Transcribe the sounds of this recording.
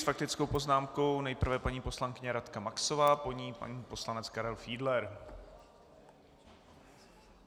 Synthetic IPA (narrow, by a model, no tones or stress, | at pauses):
fak̚t̪ɪt͡skowpo̞znaːmko̞wnɛjpr̩vɛpaɲiːpo̞slaŋkɪɲɛɾat̪kamakso̞vaːpo̞ɲiːpa̰ɲiːpo̞slanɛt͡skaɾɛlfiːdlɛɾ